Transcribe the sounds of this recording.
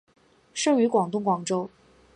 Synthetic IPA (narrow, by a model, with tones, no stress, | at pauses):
ʂɤ˥˩ŋy˧˥kwɑ˨˩ŋt̪̬ʊ˥˩ŋkwɑ˨˩ŋʈ͡ʂo˥ʊ